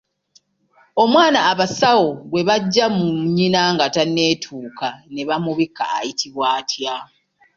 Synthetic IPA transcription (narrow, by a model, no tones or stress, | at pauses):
o̞mwaːnaːβasawo̞ɡwe̞βaɟːamuɲinaŋɡatanːe̞ːtʰuːkane̞βamuβikːa̰ːjitʰiβwaːtʰja